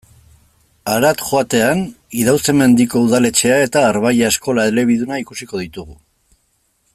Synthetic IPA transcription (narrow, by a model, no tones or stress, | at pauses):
aɾat̪ʝo̞at̪e̞an | iðawseme̞nd̪iko̞uðale̞t͡ʃe̞ae̞t̪aːɾβajaesko̞laele̞β̞iðunaikusiko̞ð̞it̪uɣu